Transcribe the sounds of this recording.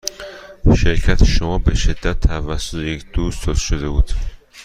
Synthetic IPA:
ʃeɾcʰæt̪ʰeʃomɒːbeʃed̪ːæt̪ʰːævæsːot̪ʰejecʰd̪̥uːst̪t̪ʰozʃod̪ebuːd̪̥

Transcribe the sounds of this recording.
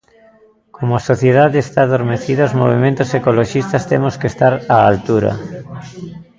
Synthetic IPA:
komoasoθjeðaðeest̪aːðoɾmeθiðaozmoβ̞imẽnt̪osekoloʃist̪ast̪emoskest̪aɾaalt̪uɾɐ̰

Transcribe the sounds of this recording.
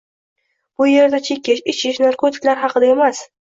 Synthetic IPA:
b̥ʊje̞ɾd̪at͡ʃʰekʲːɪʃɪt͡ʃʰɪʃnaɾkʰot̪ʰɪ̥kʲlaɾɦɑqʰɨd̪ae̞mas

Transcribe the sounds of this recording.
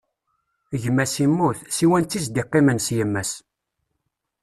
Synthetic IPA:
ʝəmːæsimːuθsiwænt̪ːizd̪iqːimənsjəmːæs

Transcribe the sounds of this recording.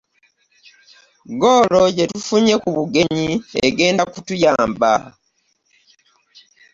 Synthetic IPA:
ɡoːlo̞ɟe̞tufuɲe̞kuβuɡe̞ɲiḛɡe̞ːndakutujaːmba̰

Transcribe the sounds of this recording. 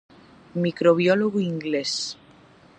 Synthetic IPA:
mikɾoβjɔloɣuiŋɡles

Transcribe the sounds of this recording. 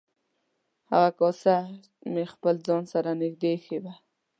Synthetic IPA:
ha̰ɣakɔsa | mexpəld͡zɑnsaɾanɪxd̪exeba

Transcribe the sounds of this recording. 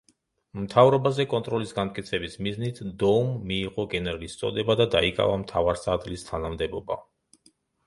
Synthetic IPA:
mt̪ʰavɾɔbazɛkʼɔnt̪ʼɾɔlisɡant̪̚ʼkʼit̪sʰɛbismiznit̪ʰd̪ɔumːiːqʼɔɡɛnɛɾɡist̪sʼɔ̰d̪ɛbad̪ad̪aikʼa̰vamt̪ʰavaɾsad̪ɡlist̪ʰanamd̪ɛbɔba̰

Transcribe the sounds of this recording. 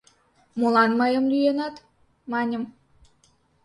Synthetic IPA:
mulɑnməjə̆mlʲyjenɑt̪ | mɑnʲəm

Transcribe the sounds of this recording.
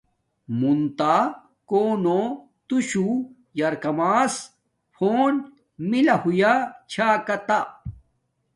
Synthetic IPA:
munt̪a | koːno | t̪uɕu | jɐɾkɐmaːs | fʰoːn | milɐhujat͡ɕʰaːkɐt̪a

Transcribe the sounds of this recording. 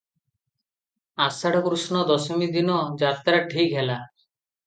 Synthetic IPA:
asaʈɔkɾusnɔd̪ɔsɔmid̪inɔd͡ʒat̪aɾaʈʰikɦɛla

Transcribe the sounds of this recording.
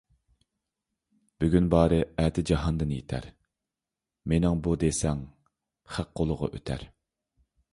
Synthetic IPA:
b̥yɡʲynbɑːɾɨæt̪ʰɪd͡ʒɑɦɑnd̪ɨnjet̪ʰæ̰ɾ | menɪŋbud̪esɛŋ | χæqqːolˠʊʁɑ̰ʔø̰t̪ʰæ̰ɾ

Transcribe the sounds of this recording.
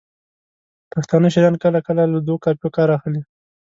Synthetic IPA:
paxt̪ɑnəʃiɾɑnkəlakəlaləd̪okɑpjokɑɾɑxəli

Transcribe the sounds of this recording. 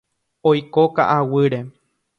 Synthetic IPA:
ojkoka̰ʔawɨɾe̞

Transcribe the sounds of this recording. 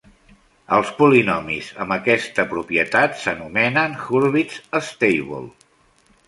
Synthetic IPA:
əlˠspulinɔmizə̰mbəkɛst̪əpɾupiət̪at̪sənumɛnənxuɾβisəst̪ejβɔ̰lˠ

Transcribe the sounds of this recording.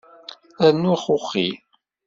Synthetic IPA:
ænːuχʊχːḭ

